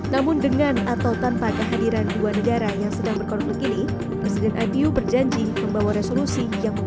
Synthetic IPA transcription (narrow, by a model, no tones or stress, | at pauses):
namʊndəŋanat̪awt̪ampakəɦadiɾanduanəɡaɾajaŋsədaŋbərkɔɾuk̚lakini | pɾɛsidɛnʔajpiubərd͡ʒaɲd͡ʒiməmbawaɾesolusijaŋ